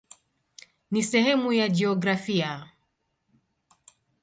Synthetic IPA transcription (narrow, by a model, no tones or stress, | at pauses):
nisɛhɛmujad͡ʒɛɔɡɾafia